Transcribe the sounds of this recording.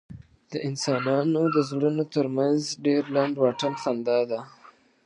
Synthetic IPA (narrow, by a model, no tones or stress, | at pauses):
d̪̥əʔɪnsɑnɑnod̪əzɽənot̪əɾmanzɖeɾlaɳɖwɑʈəlxand̪ɑd̪a